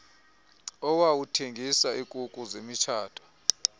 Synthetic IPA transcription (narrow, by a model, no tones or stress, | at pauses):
ɔwawutʰeŋɡʱisaʔikʼukʼuzemit͡ʃʰaːtʰʼɔ̥